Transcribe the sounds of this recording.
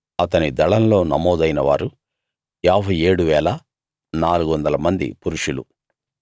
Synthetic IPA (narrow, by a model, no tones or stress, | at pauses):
ɐt̪ɐnid̪ɐɭɐnlo̞ːnɐmɔːd̪ɐjnɐʋa̰ːɾu | aːbʱɐje̞ːɽuʋɛːlɐ | naːluɡuʋɐnd̪ɐlɐmɐnd̪ḭpuɾuʂulṵ